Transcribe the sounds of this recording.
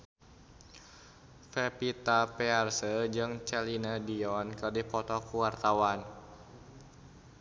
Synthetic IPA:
fɛpit̪apɛarsəd͡ʒɨŋt͡ʃɛlinədiɔnkədipɔt̪ɔkuwart̪awan

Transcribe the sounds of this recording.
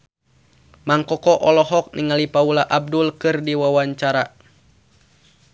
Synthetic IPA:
maŋkɔkɔʔɔlɔɦɔk̚niŋalipaulaʔab̚dulkɨrdiwawaɲt͡ʃaɾa

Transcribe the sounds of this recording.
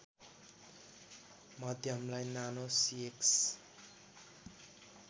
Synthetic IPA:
mʌd̪ʱjʌmlajnanosieks

